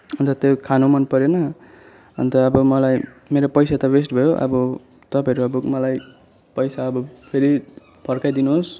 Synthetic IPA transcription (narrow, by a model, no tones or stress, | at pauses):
ʌnt̪ʌt̪ekʰanomʌnpʌɾjonʌ | ʌ̰nt̪ʌʌbʌmʌlaj | meɾopʌjsat̪ʌbesʈbʱʌjoʔʌ̰bʌ | t̪ʌpaɦʌɾuʌbʌmʌlaj | pʌjsaʌbʌpʰeɾi | pʰʌrkajd̪inuɦos